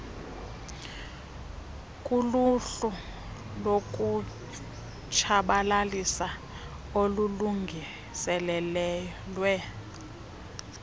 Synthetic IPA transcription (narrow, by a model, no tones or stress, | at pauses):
kʼuluɬu | lokʼu | t͡ʃʰaɓalalisa | oluluŋɡʱi | sɛlɛlɛ | lwɛ